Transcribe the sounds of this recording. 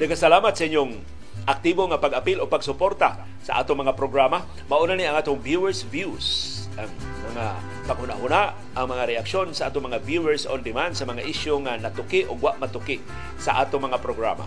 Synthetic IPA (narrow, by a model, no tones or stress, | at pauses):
d̪ɐɡkasalaːmat̪̚sɐʔɪɲjʊŋ | ʔak̚t̪iboŋapaɡapiloɡ̚paɡsʊpoɾt̪a | sa̰ʔa̰ːt̪oŋmɐŋapɾoɡɾama | maʔʊnaniʔaŋʔaːt̪ʊŋvjuɛɹsvjus | ʔaŋ | mɐŋa | paɡhʊna̰hʊna | aŋmɐŋaɾɛakʃonsaʔa̰ːt̪oŋmɐŋavjuɛɹsʔond̪ɪmand̪sɐmɐŋaʔɪʃjoŋanat̪ʊkɪʔoɡwaʔmat̪ukɪʔ | sa̰ʔaːt̪oŋmɐŋapɾoɡɾa̰ma̰